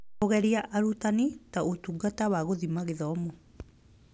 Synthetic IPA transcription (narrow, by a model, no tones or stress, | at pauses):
oɣɛɾiaʔaɾutanitaotuɡatawaɣoðimaɣeðɔːmo